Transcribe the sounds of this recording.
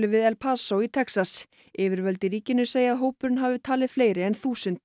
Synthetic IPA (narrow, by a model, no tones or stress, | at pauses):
lʏvɪðɛlpʰaːsowit̪ʰɛksas | ɪːvɪɾvœlt̪ɪɾiːcɪnːʏseːjaːðɦoːwpʏɾʏnɦaːvɪt̪ʰaːlɪð̥fleːjɾɪɛnθuːsʏnt̪